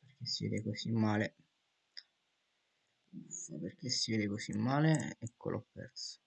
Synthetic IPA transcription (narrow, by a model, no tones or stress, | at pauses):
perk̟esːivɛ̰ːd̪ekosimːaːle | aperk̟esːivɛːd̪ekosimːaːleɛkːo̰lʔɔ̰pːɛ̰rt̪so̥